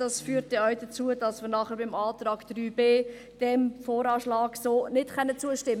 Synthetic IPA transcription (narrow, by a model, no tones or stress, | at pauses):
d̥ɑsfyːɾtɛœwd̥ət͡suəd̥ɑsmɪɾnɑχəɾbɪmɑːtɾɑːkd̥ryːbeː | d̥ɛmfoːɾɑːʃlɑːɡsoːnɪtkɛnːət͡suəʃtɪmə